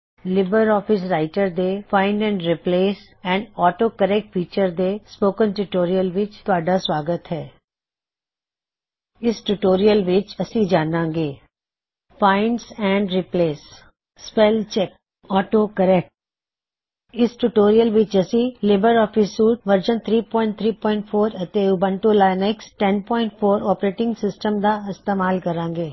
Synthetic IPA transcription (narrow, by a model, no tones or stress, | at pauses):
lɪbəɾɔːpʰɪs̬ɾaːɪʈəɾd̪eːpʰaːɪnɖɛ̃ːɳɖɾɪpleːs | ɛ̃ːɳɖɔːʈoːkəɾɛːk̚ʈ̚pʰiːt͡ʃəɾd̪eːspoːkənʈuːʈoːɾijəlʋɪt͡ʃt̪ʊaːɖaːswaːɡət̪ɦɛː | ɪsʈuːʈoːɾijəlʋɪt͡ʃəsĩːd͡ʒaːnãːɡeː | pʰaːɪɳɖsɛ̃ːɳɖɾɪpleːsː | pɛlt͡ʃɛk̚ | ɔːʈokɐɾɛk̚ʈ̚ | ɪsʈuʈoːɾijəlʋɪt͡ʃɐsileːbəɾɔːfisːuːʈʋəɾd͡ʒənt̪ʰɾiːpɔ̃ːɪ̃ɳʈ̚t̪ʰɾiːpɔ̃ːɪ̃ɳʈfʰoːɾət̪eʊbə̃ɳʈolaːjnɛksʈɛnpɔːɪ̃ɳʈfʰoːɾɔːpɾeːʈɪ̃ŋɡsɪsʈəmd̪aɪst̪eːmaːlkɐɾãːŋɡeː